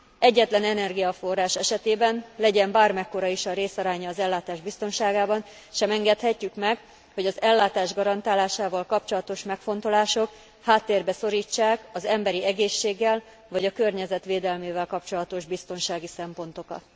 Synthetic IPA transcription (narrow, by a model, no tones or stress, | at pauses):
ɛɟːɛt̪lɛnɛnɛrɡijɒfo̞rːaːʃɛʃɛt̪eːbɛnlɛɟɛmbaːrmɛkːo̞ɾɒiʃɒɾeːsɒɾaːɲɒːzɛlːaːt̪aːʒbist̪o̞nʃaːɡaːbɒn | ʃɛmɛŋɡɛt̪hɛcːykmɛɡ | ho̞ɟɒzɛlːaːt̪aːʒɡɒɾɒnt̪aːlaːʃaːvɒlkɒp̚t͡ʃo̞lɒt̪o̞ʃmɛkfo̞nt̪o̞laːʃo̞k | haːt̪ːeːrbɛso̞ɾiːt͡ʃːaːkɒzɛmbɛɾiɛɡeːʃːeːɡːɛl | vɒɟɒkørɲɛzɛt̪ʋeːd̪ɛlmeːvɛlkɒp̚t͡ʃo̞lɒt̪o̞ʒbist̪o̞nʃaːɡisɛmpo̞nt̪o̞kɒ̰t̪